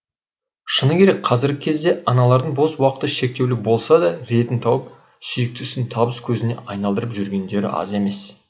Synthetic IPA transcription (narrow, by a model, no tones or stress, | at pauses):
ʃənəkʲʰe̞ɾe̞k̚ʲqʰɑzɪɾɡʲɪkʲʰezd̪e̞ɑnɑlˠɑɾd̪əɴbo̞swɑqə̥t̪əʃe̞k̚t̪e̞wlɪbo̞lˠsɑd̪ɑɾe̞t̪ɪnt̪ʰɑwəp̚ | sʏjɪk̚t̪ɪsɪnt̪ʰɑbəskʲʰɵzɪne̞̰ʔɑjnɑlˠd̪əɾəpʒʏɾɡʲe̞nd̪e̞ɾɪ̰ʔɑ̰ze̞me̞s